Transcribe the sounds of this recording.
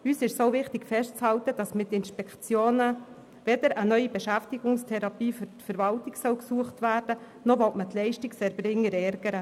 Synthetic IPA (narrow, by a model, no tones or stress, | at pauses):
yːsɪʃsovɪχtɪkfɛʃtt͡shɑltəd̥ɑsmɪt̪ːɪnʃpɛkt͡sjoːnə | ʋɛd̥əɾənœʏibɛʃæftiɡ̥ʊŋstʰɛɾɑpiːfyɾtfəɾʋɑltɪksœwksuəχtʋæːrd̥ə | nɔʋɔtmətlɛɪʃtɪksɛɾbɾɪŋːəɾɛɾɡəɾə